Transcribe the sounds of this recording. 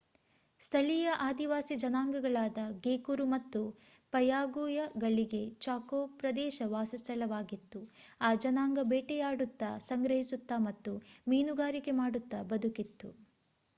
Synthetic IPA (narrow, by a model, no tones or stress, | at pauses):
st̪ʰɐlijɐʔaːd̪iʋaːsid͡ʒɐnaːŋɡɐɡɐɭaːd̪ɐɡeːkuɾumɐt̪ːu | pɐjaːɡujɐɡɐɭiɡe̞t͡ʃaːkoːpɾɐd̪ɛːʃɐʋaːsɐst̪ʰɐɭɐʋaːɡit̪ːuaːd͡ʒɐnaːŋɡɐbeːʈɛjaːɽut̪ːɐsɐŋɡɾɐɦisut̪ːɐmɐt̪ːumiːnuɡaːɾike̞maːɽut̪ːɐbɐd̪ukit̪ːu